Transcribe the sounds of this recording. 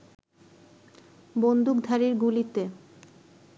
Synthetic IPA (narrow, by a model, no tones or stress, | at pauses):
bond̪uk̚d̪ʱaɾiɾɡulit̪e